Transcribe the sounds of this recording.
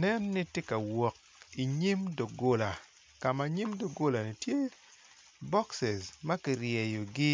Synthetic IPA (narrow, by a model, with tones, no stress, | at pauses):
nɛ˦nːi˦tje˦ka˨wɔ˨k̚ | i˨ɲi˦mdo˨ɡo˦la˨ | ka˨ma˨ɲi˦mdo˨ɡo˦la˨ni˨tje˦ | bɔ˦ksɛ˨smɐ˦ki˨rjɛ˨jo˨ɡɪ˦